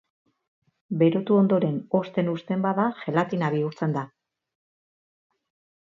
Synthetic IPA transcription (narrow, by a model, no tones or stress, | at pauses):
be̞ɾo̞t̪uo̞nd̪o̞ɾe̞no̞st̪e̞nust̪e̞mbaðaʝe̞lat̪inaβiuɾt͡se̞nd̪a